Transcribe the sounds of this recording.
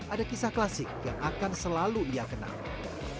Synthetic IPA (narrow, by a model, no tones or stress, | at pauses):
ʔadakisahklasɪk̚ja̰ŋʔakansəlaluiakəna̰l